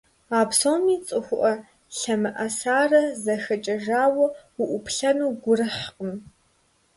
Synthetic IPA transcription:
aːbsoːwmiːt͡sʼɨxʷʊʔɐ | ɬɐmɨʔɐsaːrɐzɐxɐt͡ʃʼɐʒaːwɐʊʔʷʊpʰɬɐnuːɡʷʊrɨħqʼəm

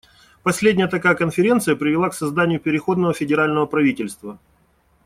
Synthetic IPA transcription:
pɐsʲlʲedʲnʲɪjət̪ɐkajəkənfʲɪɾʲe̞nt̪sɨjəpɾʲɪvʲɪlˠaksɐzd̪anʲɪjʊpʲɪɾʲɪxo̞d̪nəvəfʲɪdʲɪɾalʲnəvəpɾɐvʲitʲɪlʲst̪və

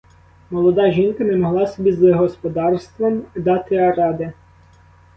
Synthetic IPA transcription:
mɔlˠɔd̪ɑʒinkɐnɛmɔɦlˠɑsɔbʲizɐɦɔspɔd̪ɑrst̪ʋɔmd̪ɑt̪ɪɐɾɑd̪ɪ

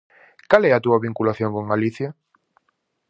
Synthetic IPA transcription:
kalɛat̪uɐβĩŋkulaθjoŋkoŋaliθja

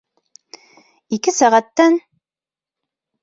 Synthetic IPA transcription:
ikɘsæʁæt̪ːæn

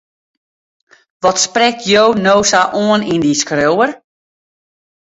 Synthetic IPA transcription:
ʋɔtsprɛk̚tʰjownoːsaʔoənindiskrowər

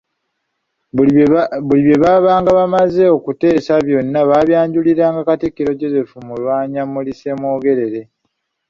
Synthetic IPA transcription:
βuliβje̞βaβaːŋɡaβamaze̞o̞kute̞ːsaβjo̞nːaβaːβjaːɲɟuliɾaːŋɡakatikːiɾo̞ɟo̞ze̞fumulwaːɲamulise̞mo̞ːɡe̞ɾe̞ɾe̞

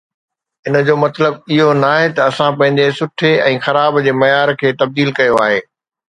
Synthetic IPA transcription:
ɪn̆d͡ʑoːmɐt̪ləbɪɦonaːɦet̪ɐɐsãpɐ̃ɦɪ̃ɲd͡ʑesʊʈʰeɛ̃ːxɐɾaːbd͡ʑeːmɐjaːɾkʰeːt̪ɐb̚d̪iːlkɐjoaːɦeː

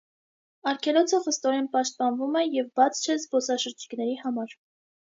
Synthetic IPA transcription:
ɑɾkʰɛlɔt͡sʰəχəst̪ɔɾɛnpɑʃt̪̚pɑnvumɛjɛvbɑt͡sʰt͡ʃʰɛzbɔsɑʃəɾd͡ʒi̥knɛɾihɑmɑɾ

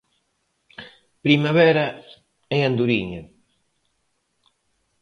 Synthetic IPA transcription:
pɾimaβɛɾa | ɛand̪uɾiɲa

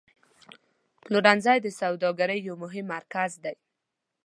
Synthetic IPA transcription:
pluɖanzajd̪əsawd̪ɑɡaɾəjːawmʊɦɪmːaɾkazd̪aj

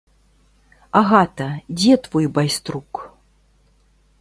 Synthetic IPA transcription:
aɣat̪ɐd͡zʲɛt̪vɔjbajst̪ɾuk

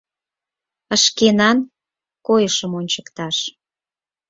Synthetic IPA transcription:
əʃkenɑn | kojəʃəmonʲt͡ɕəkt̪ɑʃ

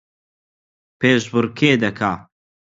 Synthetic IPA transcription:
peːʃbʊɾkʰeːd̪ɐkʰaː

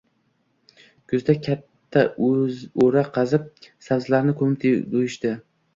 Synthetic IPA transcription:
kʰʊzd̪akʲʰat̪ʰːazoɾaqʰɑzɪp̚sazlaɾnɪkʰɵmɪt̪ʰd̪ojɪʃt̪ɪ

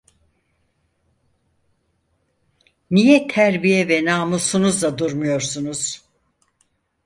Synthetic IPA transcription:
nijɛt̪ʰæɾbijɛvɛnaːmusunuzlad̪uɾmujo̞ɾsunuz̥

